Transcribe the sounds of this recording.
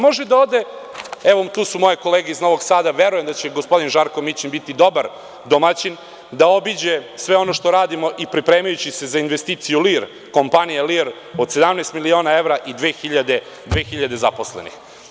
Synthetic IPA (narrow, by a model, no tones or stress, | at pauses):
mo̞ʒed̪aoːd̪e̞eʋot̪uːsumo̞je̞ko̞leːɡeizno̞ʋo̞ɡsaːd̪aʋe̞ɾujemd̪at͡ɕeɡospo̞d̪inʒaɾko̞mit͡ɕinbit̪id̪o̞baɾ | d̪omat͡ɕin | d̪ao̞bid͡ʑe̞sʋe̞o̞noʃt̪o̞ɾaːd̪imo̞ʔipɾipɾeːmajut͡ɕise̞zainʋest̪iːt̪sijuliɾ | ko̞mpanijeliːɾ | od̪sed̪amneːst̪milio̞ːnae̞ʋɾaʔid̪ʋeːxiʎad̪e̞ | d̪ʋeːxiʎad̪e̞zaposlḛnḭx